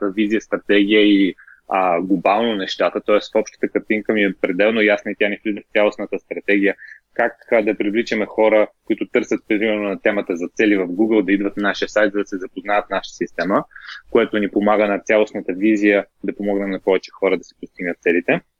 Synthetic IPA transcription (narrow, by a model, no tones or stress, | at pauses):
əvizijəst̪ɾɐt̪ɛɡ̟ʲijəi | əɡlˠobalˠnonɛʃt̪at̪ət̪ɔɛsfɔpʃt̪ə̥t̪əkɐɾt̪iŋkəmiɛpɾɛd̪ɛlˠnojasnɐit̪ʲjaniflʲid̪vəft̪sʲjalˠosnət̪əst̪ɾɐt̪ɛɡ̟ijə | kakd̪ɐpɾivlit͡ʃɐmɛxɔɾəkoit̪ʊt̪ɤɾsət̪̚pɾɾimɛɾnonɐt̪ɛmət̪əzɐt̪sɛlivəfɡuɡəlˠd̪ɐid̪vət̪naʃijəsajt̪zɐd̪ɐsɛzɐpoznavɐt̪̚naʃət̪əsist̪ɛməkojɛt̪onipomaɡənɐt̪sʲalˠosnət̪əvizijə | d̪ɐpomɔɡnɛmnɐpɔvɛt͡ʃɛ̥xɔɾəd̪ɐsi̥post̪iɡnət̪sɛlit̪ɛ